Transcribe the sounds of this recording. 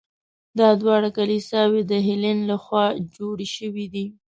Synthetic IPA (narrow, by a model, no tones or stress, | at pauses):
d̪ɑd̪wɑɽakalisɑwed̪əɦɪlɪnlaxwɑd͡ʒoɽʃəwid̪i